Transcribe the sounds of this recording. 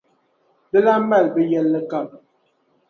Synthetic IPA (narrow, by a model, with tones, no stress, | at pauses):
bə˦la˦m˦ba˦˨lbə˦jɛ˦˨lːə˦ka˨p̚